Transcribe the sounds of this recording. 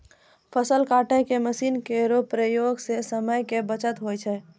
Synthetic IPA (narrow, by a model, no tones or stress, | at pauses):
pʰəsəlkaʈəkeməsinkeɾopɾəjoɡsesəməjkebət͡ʃət̪ɦojt͡ʃʰɛ